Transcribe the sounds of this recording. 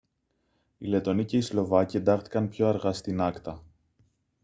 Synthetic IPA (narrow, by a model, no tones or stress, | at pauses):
ile̞t̪o̞nice̞islo̞vɐcie̞nd̪ɐxθi̥kɐnpço̞ɐɾɣɐst̪inɐkt̪ɐ